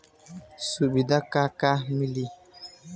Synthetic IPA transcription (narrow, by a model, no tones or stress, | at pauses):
subidakakamili